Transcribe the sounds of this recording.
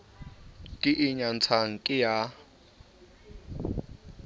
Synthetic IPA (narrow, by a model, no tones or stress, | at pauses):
kʼɪʔɪɲan̩t͡sʰaŋ̩kʼɪja